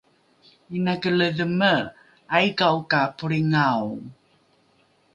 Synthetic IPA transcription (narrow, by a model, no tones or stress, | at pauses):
inakələðəmə | ajkaukapuɾiŋaw